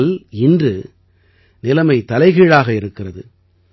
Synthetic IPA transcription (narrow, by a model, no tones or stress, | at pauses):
lɪndrɯ | nɪlɐmɐɪt̪ɐlɐɪɣeːɻaːɣɐɪɾɯkːɪrɐðɯ